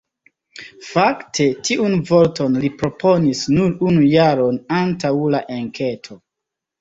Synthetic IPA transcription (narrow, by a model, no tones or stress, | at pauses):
faktʰe̞tiʔunvo̞ɾto̞nlipɾo̞pʰo̞nisnuɾunujaɾo̞nantawlaʔeŋkʰe̞tʰo̞